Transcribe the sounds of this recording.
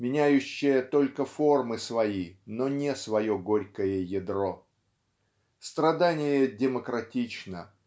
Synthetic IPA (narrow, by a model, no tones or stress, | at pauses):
mʲɪnʲæjʉɕːɪjət̪o̞lʲkəfo̞rmɨsvɐinonʲɪsvɐjoɡoɾʲkəjəjɪd̪ɾo̞ | st̪ɾɐd̪anʲɪjədʲɪməkɾɐtʲit͡ɕnə